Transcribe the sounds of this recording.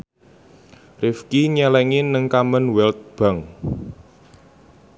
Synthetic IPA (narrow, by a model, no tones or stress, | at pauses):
rifkiɲɛlɛŋinəŋkamənwɛlt̪̚b̥a̤ŋ